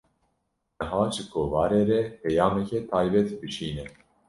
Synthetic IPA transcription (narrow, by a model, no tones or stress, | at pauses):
nɨɦɑːʒɨkʰovɑːɾeːɾɛpʰɛjɑːmɛkʲʰet̪ʰɑːjbɛt̪bɨʃiːnɛ